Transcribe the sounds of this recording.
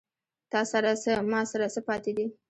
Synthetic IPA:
t̪ɑsaɾasəmɑsaɾasəpɑt̪ed̪i

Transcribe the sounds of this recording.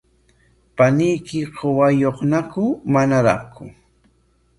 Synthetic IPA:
panɪjkɪqʰowajoχnakʊmanaɾa̰χkʊ

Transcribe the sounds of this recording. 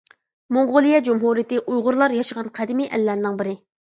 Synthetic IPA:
moŋʁʊlˠijɛd͡ʒumɦuɾijɪt̪ɪʔujʁʊɾlˠɑɾjɑʃəʁɑnqʰæd̪ɪmiʔɛ̰lːæɾnɪŋbɪɾɪ

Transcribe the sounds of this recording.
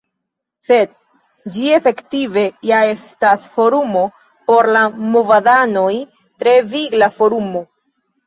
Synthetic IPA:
se̞d̚ | d͡ʒie̞fe̞ktive̞jae̞stasfo̞ɾumo̞ | po̞ɾlamo̞vadano̞j | tɾe̞viɡlafo̞ɾumo̞

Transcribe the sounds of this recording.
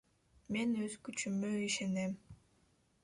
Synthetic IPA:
menøzkyt͡ʃymøiʃenem

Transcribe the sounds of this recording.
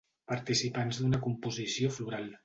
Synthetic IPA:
pəɾt̪isipanzd̪unəkumpuzisiofluɾalˠ

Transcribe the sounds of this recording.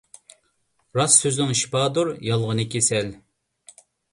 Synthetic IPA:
ɾɑsːøznɪŋʃi̥pɑːd̪uɾjɑlˠʁənɨkʲʰesɛl

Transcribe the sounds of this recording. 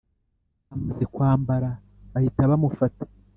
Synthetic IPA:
amuzekwaːmbaɾa | βahitaβamufatḁ

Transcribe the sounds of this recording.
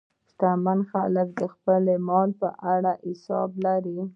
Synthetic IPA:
st̪amanxalək̚d̪əxpəlemɑlpəʔaɽaʔɪsɑ̰blaɾi

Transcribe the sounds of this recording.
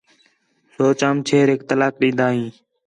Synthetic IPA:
soːt͡ʃaːmt͡ʃʰeːɾeɪkt̪əlaːk̚ɗĩːnd̪aːɦĩː

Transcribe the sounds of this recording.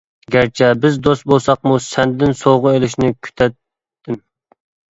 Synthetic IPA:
ɡʲæɾt͡ʃʰɛbɪzd̪ost̪̚bolˠsɑq̚musɛnd̪ɪd̪ɪnsoʁʊelɪʃnɪkʲʰy̥t̪ʰɛt̪ː | ɪm

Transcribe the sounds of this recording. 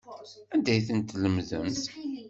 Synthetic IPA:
ænd̪æjθənt̪ːləmðə̰mt̪

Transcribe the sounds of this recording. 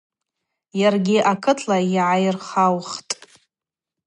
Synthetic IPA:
jarɡʲɪʔakʰɨtʰlajiʕajrχawχtʼ

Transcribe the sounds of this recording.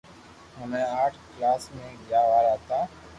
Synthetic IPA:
ɦəmẽːaːʈʰklaːsmẽːɡjaːʋaːɾaːt̪aː

